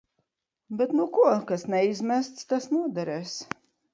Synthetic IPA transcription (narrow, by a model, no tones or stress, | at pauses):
bɛt̪nukuɔkasnɛizmæst̪st̪asnuɔd̪ɛɾɛːs